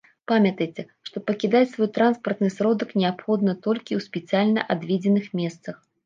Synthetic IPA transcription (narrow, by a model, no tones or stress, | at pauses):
pamʲɐt̪ɐjt͡sʲɛ | ʂt̪ɔpɐkʲid̪at͡sʲsvɔjt̪ɾanspɐrt̪nɨsɾɔd̪ɐknʲɛapxɔd̪nɐt̪ɔlʲkʲiwsʲpʲɛt̪sijalʲnɐ̰ʔad̪vʲed͡zʲɛnɨxmʲɛst̪sɐx